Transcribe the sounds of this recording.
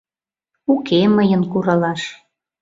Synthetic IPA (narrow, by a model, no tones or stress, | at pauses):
ukeməjənkuɾɑlɑʃ